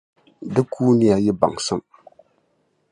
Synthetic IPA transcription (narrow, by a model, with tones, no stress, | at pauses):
dɨ˦kʰuː˦ni˦ja˦jɪ˦ba̰˨ŋsɨ˦m